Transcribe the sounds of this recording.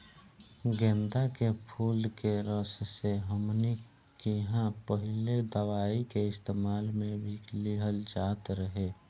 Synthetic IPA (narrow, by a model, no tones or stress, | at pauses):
ɡẽnd̪akepʰuːlkeɾəsseɦəmni | kiɦãpəɦɪled̪əwaːikeɪst̪eːmaːlmẽbʱiliɦəld͡ʒaːt̪ɾəɦeː